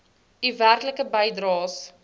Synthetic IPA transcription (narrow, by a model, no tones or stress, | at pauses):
iværkləkəbəjdrɑːs